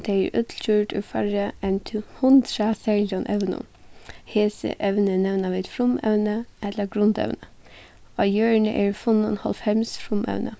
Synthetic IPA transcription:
t̪ʰɛæɹʔʏt̪ʰl̩tʰʉːʈʉ̰ːfɑɾəɛnt̪ʰːhʊnd̪ɾɑsɛlɔnʔɛʋnʊ̰ | heːsə̰ʔɛʋnənɛʋnɑʋɛt̪fɾʊmɛ̰ʋnəɛləɡɾʊnd̪ɛ̰ʋnə | ʔɑjøːɹɳəʔæːɹfʊnʊnhɑ̰lfɛmsfɾʊmɛ̰ʋnə

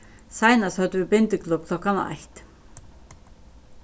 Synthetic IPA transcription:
saːjnashœt̪vɪpɪnt̪ɪklɵp̚kʰl̥ɔhkana̰a̰jht̪

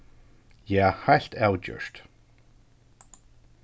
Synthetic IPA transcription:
jahaɬt̪ʰɛwd͡ʒə̰ʃt̪

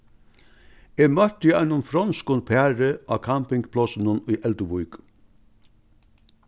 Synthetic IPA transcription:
eːmœt̪ɪænʊmfɾɔnskʊnpʰeæɾəʔɑ̰ːkʰampɪŋɡpʰlɔsnənyːʔɛld̪əʋʊʏk

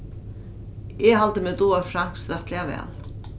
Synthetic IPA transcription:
ɛɦalt̪əmɛt̪uːaɾfɾaŋ̥ksɾat̪lɪavɛ̰ːl

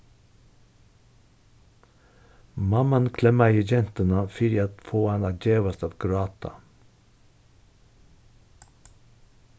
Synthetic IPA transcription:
mɑmɑnkʰlɛmɑiːd͡ʒɛnt̪ənəfɪɾjɑt̪foːɑnɑd͡ʒeːʋɑst̪ɑt̪ɡɾɑːt̪ʰɑ̰

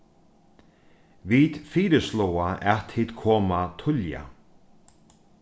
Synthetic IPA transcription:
viːt̪fiːɾəslowaʔɛt̪ʰiːt̪kʰɔːmat̪ʰʊlja̰

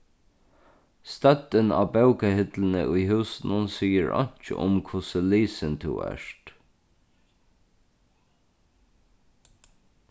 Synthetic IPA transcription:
st̪ɛt̪ːəna̰ːbaʊkahɪt̪ln̩ə̰ʔʊjɦʉːsnʊnsiːəɹɔ̰ɲ̥t͡ʃə̰ʔʊ̰mkʰʊsəliːsənt̪ʰṵːɛ̰ʂt̪

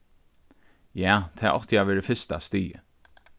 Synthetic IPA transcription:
jaːt̪ʰɛːʔɔ̰ht̪əjaːʋɛːɹəfɪst̪ast̪iːjə̰

